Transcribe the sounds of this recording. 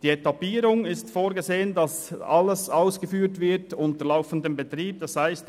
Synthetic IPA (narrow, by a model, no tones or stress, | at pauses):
d̥iːɛtɑpiːɾʊŋɪstfoːɾɡəzeːəndɑsɑləsaʊsɡ̥əfyːɾtvɪɾtʊntəlaʊfn̩dəmbətʁiːp̚d̥ɑshaɪst